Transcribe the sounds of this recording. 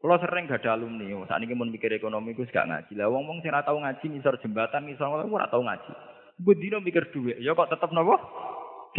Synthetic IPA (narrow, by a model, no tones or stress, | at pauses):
kulɔsərɛŋɡ̥a̤ɖ̥alumniɔsa̰ʔnikimʊnpikɪɾekonomikusɡa̰ʔŋa̰d̥ʒ̥i̤lawɔŋwɔŋsɪŋɾaʔt̪auŋad̥ʒ̥i̤ŋisɔrd̥ʒ̥ə̤mbat̪anŋisɔrkɔlɔkuɾa̰ʔt̪auŋa̰d̥ʒ̥i̥ | bud̪̥inomikɪrd̪̥ṳweʔjɔkɔʔt̪ət̪əp̚nɔwɔ̥